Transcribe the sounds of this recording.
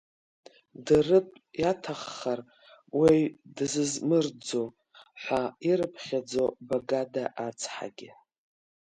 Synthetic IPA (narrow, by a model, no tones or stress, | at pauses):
darɨpʼjatʰaχːar | wejdɨzɨzmɨrd͡zo | ħʷaiɾɨpʰχʲad͡zobaɡadaʔat͡sʰħa̰ɡʲɪ